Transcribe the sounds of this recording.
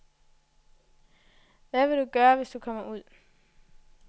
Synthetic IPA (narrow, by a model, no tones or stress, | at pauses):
ʋæʋe̝d̥uɡ̥ɶːɐʋe̝sd̥ukʰɒ̽m̰ɐʔuð̰ˠ